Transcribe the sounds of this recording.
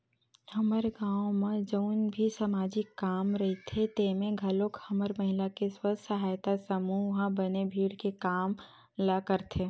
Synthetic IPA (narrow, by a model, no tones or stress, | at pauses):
hɐməɾɡãːõmẽd͡ʒəʊnbʱisamaːd͡ʒikːaːmɾɐɦit̪ʰet̪eːmẽɡʱɐlokhɐməɾməɦɪlakeswəsɐɦaːjt̪asəmuɦãbənebʱiːɽkekaːm | lakəɾt̪ʰeː